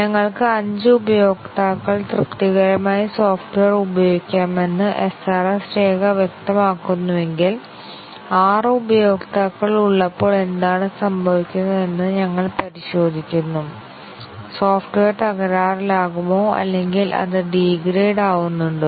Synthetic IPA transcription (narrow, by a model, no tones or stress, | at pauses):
ɲɐŋːɐɭkɨɐɲd͡ʑɨubɐjo̞ːɡt̪aːkːɐɭt̪rɨkt̪iɣɐɾɐmaːjiso̞ːfʈʋeːrubɐjo̞ːɡikʲːaːme̞nːɨʔesɐrɐsɾeːɡɐʋjek̚t̪ɐmaːkːunːuʋe̞ŋɡil | aːrɨubɐjo̞ːɡt̪aːkːɐɭuɭːɐpːo̞ːɭe̞nd̪aːɳɨsɐmbʱɐʋikʲːunːɐðe̞nːɨɲɐŋːɐɭpɐɾiɕo̞ːd̪ʱikʲːunːu | soːfʈʋeːrt̪ɐɣɐɾaːrlaːɣumo̞ːɐ̰lːe̞ŋɡilʔɐ̰ðɨɖiːɡɾeːɖaːɣunːuɳɖɨ